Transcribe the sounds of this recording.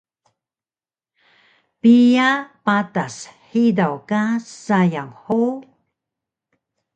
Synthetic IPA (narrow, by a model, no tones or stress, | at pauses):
pijapatasħidawkasajaŋħo